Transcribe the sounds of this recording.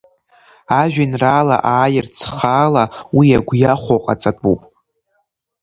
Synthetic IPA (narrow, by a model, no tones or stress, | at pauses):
aʒᶣanraːla̰ʔaːjɪrt͡sʰχaːlawiaɡʷjaχʷoqʼa̰t͡sʼadʼupʼ